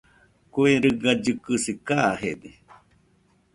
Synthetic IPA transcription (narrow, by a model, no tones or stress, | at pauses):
kueɾɨɡad͡ʒɨkɨsikaɦed̪e